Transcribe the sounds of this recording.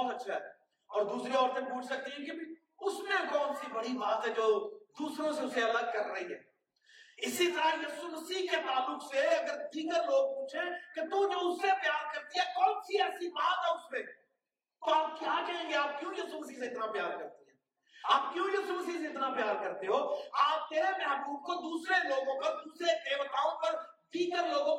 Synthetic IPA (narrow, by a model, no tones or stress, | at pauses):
ɔːnɐtːʃʰaɦɛ̰ː | ɔːɾd̪uːsɾiɔːɾt̪ẽpuːt͡ʃʰsɐk̚t̪iɦɛ̃ke | ʊsmẽkɔːnsibɐɽibaːt̪ɦɛd͡ʒoːd̪uːsɾõseʊseɐləɡ̚kɐɾːɐɦiɦɛ̰ː | ɪsit̪əɾajɐsuməsiket̪aːlʊkseɐɡəɾt̪iːkəɾloːɡ̚puːt͡ʃʰẽket̪ũd͡ʒoːʊsːepjaːɾkɐɾt̪iɦɛkɔːlsiɛːsibaːt̪ɦɛ̃ʊsmẽ | t̪oaːp̚kjɐakaɦẽːŋɡeaːp̚kjũːjɐsuməsiseɪt̪napjaːɾkɐɾt̪eɦɛ̃ː | aːp̚kjũjɐsuməsiseɪt̪napjaːɾkɐɾt̪eɦoːaːp̚t̪eːɾemɛɦbuːb̚kod̪uːsɾeloːɡõkad̪uːsɾeʔeːʋət̪aːõpɐɾ | d̪iːkəɾloːɡõ